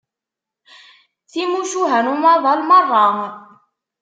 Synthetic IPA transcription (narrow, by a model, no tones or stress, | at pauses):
θimuʃuɦænumɑðˤɑlmɑrˤːɑɦ